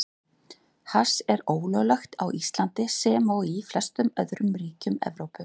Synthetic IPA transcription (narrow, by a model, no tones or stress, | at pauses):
hasɛɾoːwlœɣlaxt̪awʔist̪lant̪ɪsɛmawiflɛst̪ʏmœðɾʏmɾiːcʏmɛ̰vɾowpʏ